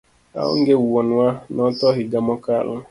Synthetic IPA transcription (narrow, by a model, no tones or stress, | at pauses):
a̰ʊ̰ŋ̩ɡeuwonwanɔtɔɦɪɡamɔkalʊ̰